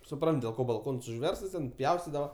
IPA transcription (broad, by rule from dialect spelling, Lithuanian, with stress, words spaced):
sʊˈprɐnt dʲeːlˠ ˈkoː bɐlˠˈkoːns ʊʒʲˈʋʲɛrstɐs ˈtʲɛn ˈpʲjɛʊsʲtʲɪdɐʋɐ